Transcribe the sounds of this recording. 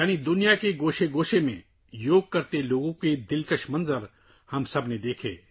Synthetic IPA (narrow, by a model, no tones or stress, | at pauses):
jaːñid̪ʊnijakeɡoːʃeɡoːʃemḛ̃ | joːɡ̚kɐɾt̪eloːɡõked̪ɪlkəʃmɐ̃nzəɾ | hɐmsɐbned̪eːkʰḛː